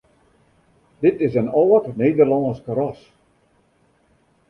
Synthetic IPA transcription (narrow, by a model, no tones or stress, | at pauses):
dɪtɪsənɔːkneːdərlɔːskəɾɔs